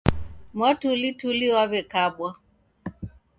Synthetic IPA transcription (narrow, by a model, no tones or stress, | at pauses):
mwatulituliwaβɛkabwa